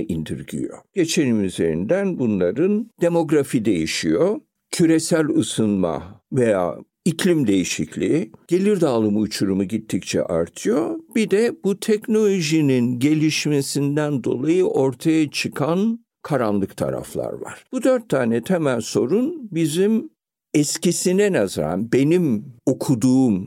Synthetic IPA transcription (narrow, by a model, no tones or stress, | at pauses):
ind̪iɾɟḭjo̞̰ɟ̥e̞t͡ʃʰe̞nimyze̞ɾḭnd̪ænbunlˠaɾɯnd̪e̞mo̞ɡɾafid̪e̞jiʃijo | cʰyɾesælʲɯsɯnma̰veja̰ː | icʰlʲimd̪e̞jiʃiclʲiɟ̥e̞lʲiɾd̪aːlˠɯmɯːt͡ʃʰuɾumuɟit̪ʰːict͡ʃʰɛ̰ʔa̰ɾt̪ʰɯjo̞b̥id̪ɛbut̪ʰɛcno̞lʲo̞ʒininɟe̞lʲiʃme̞sind̪ænd̪o̞̰lˠajɯʔo̞ɾt̪ʰajat͡ʃʰɯkʰan | kʰaɾanlˠɯkt̪ʰa̰ɾa̰flˠa̰ɾva̰ɾ̥b̥ud̪øɾt̪ʰːaːnɛt̪ʰɛmænʲso̞ɾunbizim | ɛscisinɛnazɾa̰nbe̞nimo̞kʰud̪uːm